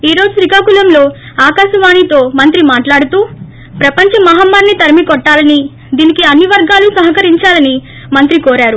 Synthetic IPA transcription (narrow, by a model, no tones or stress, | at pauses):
iːɾo̞ːd͡ʒusɾikaːkulɐmlo̞ː | aːkaːʃɐʋaːɳit̪o̞ːmɐnt̪ɾimaːʈlaːɽut̪uː | pɾɐpɐɲt͡ʃɐmɐɦaːmːaːɾnit̪ɐɾɐmikɔʈːaːlɐni | d̪iːnikiɐnːiʋɐɾɡaːlusɐɦɐkɐɾiɲt͡ʃaːlɐni | mɐnt̪ɾikoːɾaːɾu